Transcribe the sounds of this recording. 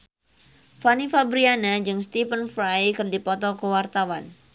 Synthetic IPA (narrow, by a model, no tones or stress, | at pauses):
fanifabɾianad͡ʒɨŋst̪ifənfɾajkɨrdipɔt̪ɔkəwart̪awan